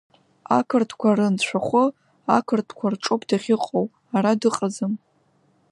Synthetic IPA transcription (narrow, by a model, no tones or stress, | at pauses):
a̰kʰɨrtʰkʷʰaɾɨnt͡ɕʷʰaχʷʊ | akʰɨrtʰkʷʰarʈ͡ʂʼopʰdaχʲɪqʼow | aɾadɨqʼazɨm